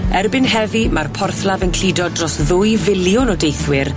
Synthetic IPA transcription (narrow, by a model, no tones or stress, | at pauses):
ɛrbɪnhɛvimarpʰɔrθlavənkʰl̥idɔdrɔsðʊjvɪljʊnɔdejθwɪr